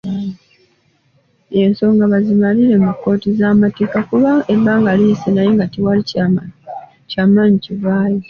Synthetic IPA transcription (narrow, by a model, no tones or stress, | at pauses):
je̞nso̞ːŋɡaβazimaliɾe̞mukːo̞ːtizamate̞ːkakuβaeβbaːŋɡalisenajeŋɡatiwali | caːmaːɲiciβaːji